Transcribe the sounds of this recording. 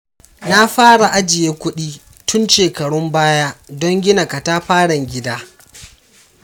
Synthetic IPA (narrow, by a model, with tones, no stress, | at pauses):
na˦ɸaː˦ɽa˨ʔa˦d͡ʒɪ˨jeː˦kʷʊ˦ɗiː˦ | tʰʊ˦nʃeː˨kɐ˨ɽʊ˦mbaː˦ja˦dɔ˦ŋɡʲɪ˦na˨ka˨ta˦ɸaː˦ɽɐ˨ŋɡʲɪ˦daː˦